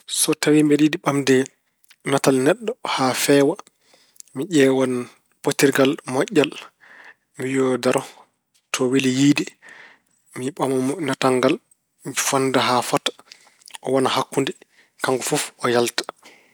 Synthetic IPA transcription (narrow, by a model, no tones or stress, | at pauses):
sɔtawimbɛɗidiɓamdɛ | natalnɛɗːɔhafɛːwa | miʄɛwan | potːiɾɡalmɔʔːal | mijɔdaɾɔ | tʰɔwilijiːdi | miɓamɔnataŋɡal | mifandaɦafatḁ | ɔwanahakːundi | kaŋɡɔfufɔjaltḁ